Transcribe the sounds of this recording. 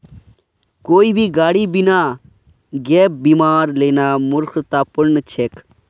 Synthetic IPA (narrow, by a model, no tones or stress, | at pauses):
koːiːbʱiːɡaːɽiːbinaː | ɡɛːp̚biːmaːɾleːnaːmʊɾkʰt̪aːpʊɾnt͡ʃʰeːk